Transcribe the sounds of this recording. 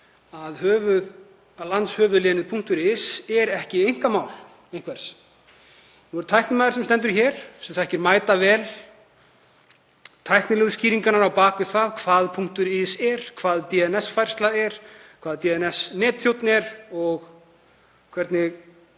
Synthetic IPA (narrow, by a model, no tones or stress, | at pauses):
aðhœːvʏð | alant̪shœːvʏðlɛːnɪðpʰuŋkt̪ʏɾɪsɛɾɛhcɪejŋ̥kamaːwl | ejn̥kʰvɛɾ̥s | nuɛɾt̪ʰajht̪nɪmaːðɪɾsɛmst̪ɛnt̪̬ʏɾçɛɾ̥sɛmθaɛhcɪɾmaːjt̪avɛːl | t̪ʰajhktnɪlɛɣʏsciːɾiŋkanaɾawpaːkʏ̥θaðkʰvaːðpʰuŋkt̪ʏɾɪsɛɾ̥kʰvaːðt̪iɛnɛsfajr̥st̪laɛɾ̥kʰv̥aːðt̪iɛnɛsnɛːt̪θjowt̪nɪɛɾɔɣ | kʰvɛɾt̪nɪɣ